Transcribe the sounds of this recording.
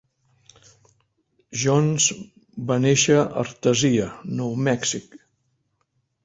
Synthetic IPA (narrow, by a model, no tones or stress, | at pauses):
ʒɔnz | baneʃəʔə̰ɾt̪əziənɔwmɛksik